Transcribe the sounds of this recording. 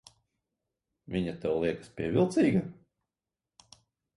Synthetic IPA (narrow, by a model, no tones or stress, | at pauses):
vʲiɲat̪ɛwlˠiɛkḁspʲiɛvʲilˠt̪siːɡa